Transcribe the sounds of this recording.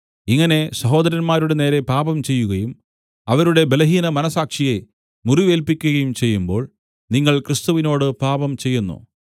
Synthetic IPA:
iŋːɐne̞sɐɦo̞ːd̪ɐɾɐnmaːɾuɽene̞ːɾe̞paːbɐmt͡ɕe̞jːuɣɐjum | ɐʋɐɾuɽe̞be̞lɐɦiːnɐmɐnɐsaːkʂije̞ | muriʋe̞ːlpikʲːuɣɐjumt͡ɕe̞jːumbo̞̰ːɭ | niŋːɐɭkrist̪uʋino̞ːɽɨpaːbɐmt͡ɕe̞jːunːṵ

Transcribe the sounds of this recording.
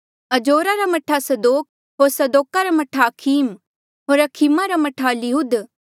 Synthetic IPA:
ɐd͡ʒoːɾaɾamɐʈʰasɐd̪oːk̚ | ɦoːɾsɐd̪oːkaɾamɐʈʰaːkʰiːm | ɦoːɾɐkʰimaɾamɐʈʰalɪɦud̪

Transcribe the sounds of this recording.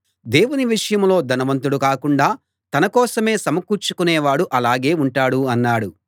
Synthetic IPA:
d̪eːwuniʋiʂɐjɐmlo̞ːd̪ʱɐnɐʋɐnt̪̬uɽukaːkuɳɖaː | t̪ɐnɐkɔːsɐme̞ːsɐmɐkuːɾt͡ʃu̥kuneːʋaːɽuʔɐlaːɡe̞ːuɳʈaːɽuɐnːaːɽu

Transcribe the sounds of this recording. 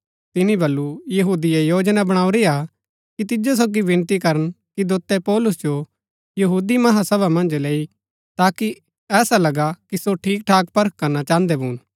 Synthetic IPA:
t̪ɪnibɐlːujɐɦuːd̪iejoːd͡ʒnabɐɽ̃aːuɾia | kit̪ɪd͡ʒos̬oːɡiʋɪ̃nt̪ikɐɾən | kid̪oːt̪ːɛpɔːlʊs̬d͡ʒo | jɐɦuːd̪imɐɦasɐβamɐ̃nd͡ʒleːi | t̪aːki | ɛːsalɐɡakisoʈʰiːk̚ʈʰaːkpɐɾəkːɐɾnat͡ʃãːnd̪ɛbʱuːn

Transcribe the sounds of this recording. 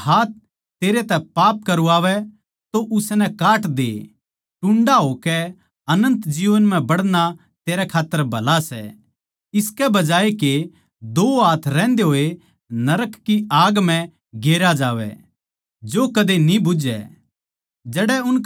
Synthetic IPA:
haːt̪̚ʰ | t̪eːɾet̪ɛpaːp̚kɐɾuaːʋɛ | t̪oʔʊsnɛkaːʈd̪ḛː | ʈʊ̃ɳɖaɦoːkɛ | ɐnə̃nt̪d͡ʒiːʋənm̤ɛ̃bɐɽna | t̪eːɾɛkʰaːt̪ːəɾbʱɐlasɛ̰ | ɪskɛbɐd͡ʒaːeke | d̪oːɦaːt̪ʰɾɛ̃ːnd̪eɦoːe | nɐɾəkːiaːɡm̤ɛ̃ | ɡeːɾad͡ʒaːʋɛ̰ | d͡ʒoːkɐd̪enibʊd͡ʒɛ̰ | d͡ʒɛɽɛʊn

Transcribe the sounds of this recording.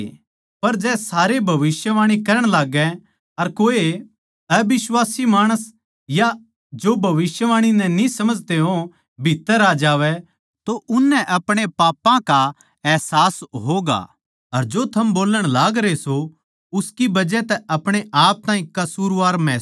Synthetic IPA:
pɐɾd͡ʒɛːsaːɾebʱɐʋɪsjəʋaːɽ̃ikɐɾəɽ̃laːɡɛ | ɐɾkoːe | ɐbɪswaːsimaːɽ̃əs | ja | d͡ʒoːbʱɐʋɪsjəʋaːɽ̃inɛ̃nĩsɐməd͡ʒʱt̪eɦõ | bʱɪt̪ːəɾaːd͡ʒaːʋɛ | t̪oʔʊnːɛ̃ʔɐpɽ̃epaːpːãka | ɛːsaːsɦoːɡa̰ | ɐɾd͡ʒot̪ʰɐmboːləɽ̃laːɡɾeso | ʊskibɐd͡ʒɛt̪ɛɐpɽ̃eʔaːp̚t̪ãːĩkɐsuːɾʋaːɾmɛː

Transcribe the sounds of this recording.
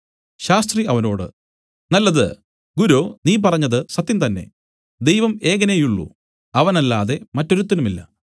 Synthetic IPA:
ɕaːst̪riɐʋɐno̞ːɽɨ̰ | nɐlːɐðɨ̰ | ɡuɾoːniːp̬ɐrɐɲːɐðɨsɐt̪ːjimt̪ɐnːe̞̰ | d̪ejʋɐme̞ːɣɐnejuɭːṵ | ɐʋɐnɐlːaːðe̞mɐtːo̞ɾut̪ːɐnumilːɐ̰

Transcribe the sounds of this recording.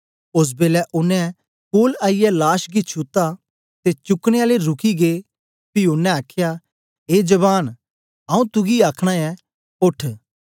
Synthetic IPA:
ʊs̬beːlɛʔʊnːɛ̃ | koːlaːijɛlaːʃɡit͡ʃʰʊt̪ːa | t̪et͡ʃʊkɽ̃eaːleɾʊkʰiɡeː | piʊnːɛ̃aːkʰja | ɦeːd͡ʒɐβaːn | aũt̪ʊɡiaːkʰɽ̃aɛ | ʊʈʰ

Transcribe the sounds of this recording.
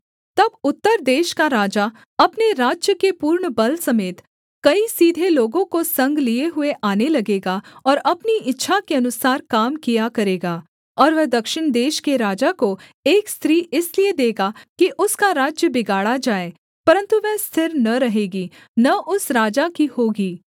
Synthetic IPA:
t̪ɐbʊt̪ːəɾd̪eːʃkaɾaːd͡ʒa | ɐpneɾaːd͡ʒjəkepuːɾɳbɐlsɐmeːt̪ | kɐisiːd̪ʱeloːɡõkosɐ̃ŋɡlieɦʊeʔaːnelɐɡeːɡaɔːɾɐpniɪtːʃʰakeɐnʊsaːɾkaːmkijakɐɾeːɡaː | ɔːɾʋɛɦd̪ɐkʃɪɽ̃d̪eːʃkeɾaːd͡ʒakoeːkst̪ɾiːɪslied̪eːɡakiʔʊskaɾaːd͡ʒjəbɪɡaːɽad͡ʒaːeː | pɐɾə̃nt̪uʋɛɦst̪ʰɪɾnɐɾɐɦeːɡiː | nɐʔʊsɾaːd͡ʒakihoːɡiː

